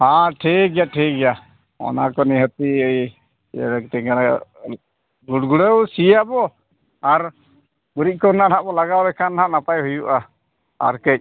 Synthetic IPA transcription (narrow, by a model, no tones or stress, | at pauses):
hãʈʰik̚jaʈʰik̚ɡɛja | ɔ̰nakɔniɦɔt̪iəj | ɛlək̚t̪ɛɡanɛ̰ | ɡuɽɡuɽəwsijabɔ | aɾ | buɾic̚kɔɾnanaʔbɔlaɡawdɛkʰanaʔnapajhujuʔa | a̰ɾkec̚